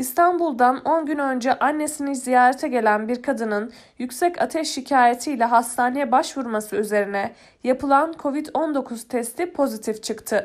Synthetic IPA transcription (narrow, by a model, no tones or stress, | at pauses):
ist̪ʰanbulˠd̪ano̞nɟynø̞nd͡ʒɛʔanːe̞sinizijaːɾet̪ʰɛɟe̞lʲænbiɾkʰad̪ɯnɯn | jycsɛca̰t̪ʰɛʃːicʰaːjet̪ʰijlʲɛɦast̪ʰaːne̞jɛbaʃvuɾmasɯyze̞ɾinɛ | japɯlˠankʰo̞vid̪o̞nd̪o̞kʰuz̥t̪ʰɛst̪ʰipʰo̞zit̪ʰift͡ʃʰɯkt̪ʰɯ